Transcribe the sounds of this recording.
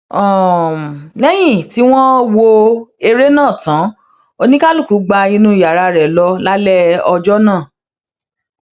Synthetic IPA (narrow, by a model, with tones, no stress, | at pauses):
ɔ˦˨ | lɛ˦j̃ĩ˦˨ti˦w̃ɔ̃˦wo˧e˧ɾe˦nãː˦˨tã˨˦ | o˧nĩ˦ka˦lu˦˨ku˨˦ɡ͡ba˧ĩ˧nũ˦i˨ja˨ɾa˧ɾɛ˨lɔ˧la˦lɛ˦ɔ˧d͡ʒɔ˦nã˦˨